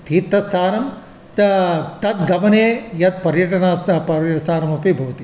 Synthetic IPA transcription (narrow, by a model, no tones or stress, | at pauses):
t̪ʰiːt̪ːɐst̪ʰaːɾɐm | t̪t̪ɐt̪ɡɐmɐneːjɐt̪̚pɐɾjɐʈɐɳaːpɐsaːɾɐmɐpibʱɐʋɐt̪i